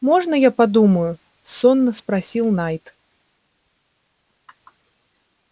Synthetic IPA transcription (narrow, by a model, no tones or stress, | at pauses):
mɔʐnɐjapad̪umɐju | sɔnːɐspɾasʲilˠnajt̪